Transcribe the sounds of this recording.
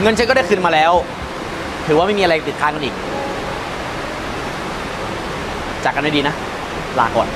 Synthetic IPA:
ŋɤ˧nt͡ɕʰa˦˥kɔː˥˩da˥˩jkʰɯː˧nmaː˧lɛː˦˥w | t̪ʰɯː˨˦waː˥˩ma˥˩jmiː˧ɾa˧jt̪i˨˩aː˧ŋka˧nʔiː˨˩k̚ | t͡ɕaː˨˩k̚a˧nma˥˩diː˧na˦˥ | laː˨˩˦kɔː˨˩n

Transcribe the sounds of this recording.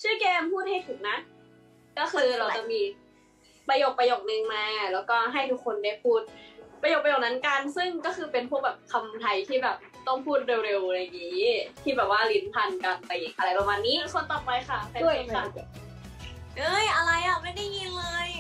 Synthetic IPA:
t͡ɕɯː˥˩˨kɛː˧mpʰuː˥˩t̪̚ha˥˩jt̪ʰɯ˨˩ŋna˦˥ʔ | kɔː˥˩xʰɯː˧ɾa˧wt͡ɕa˨˩k̚miː˧ | pa˧jo˨˩k̚pa˧joː˨˩k̚nɯ˧ŋmaː˧lɛː˦˥wkɔː˥˩ɦa˥˩jt̪ʰu˦˥k̚ʰːo˧nda˥˩jpʰuː˥˩t̪̚pɾa˧jo˨˩k̚pːa˧joː˨˩k̚na˦˥nka˧nsɯ˥˩ŋkɔː˥˩xʰɯː˧pe˧npʰu˥˩bɛː˨˩p̚kʰa˧mt̪ʰa˧jt̪ʰiː˥˩bɛː˨˩p̚t̪ɔ˥˩ŋpʰuː˥˩t̪̚ɾe˧wɾe˧wɾa˧˩ŋiː˦˥t̪ʰiː˥˩bɛː˨˩p̚waː˥˩li˦˥npʰa˧˩nka˧˩npa˧˩jʔa˧ɾa˧˩jpa˧maː˧nːiː˦˥kʰo˧nt̪ɔ˨˩p̚pa˧jxa˥˩pʰa˧˥˩a˧ | ʔɤː˧˥˩jʔa˧ɾa˧jʔa˨˩ma˥˩jda˥˩jŋiː˧˥˩nlɤː˧j

